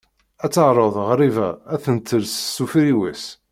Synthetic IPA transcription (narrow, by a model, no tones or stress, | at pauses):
æt͡sːəʕɾˤoðˤʁɾivææθənt̪ʰːəlssːufɾiwis